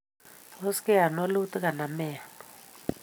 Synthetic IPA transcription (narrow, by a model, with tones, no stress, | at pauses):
ɔ˦skɛ˦a˨nɔ˦lu˦tʼi˦ka˨na˨mɛː˨a˨nɔ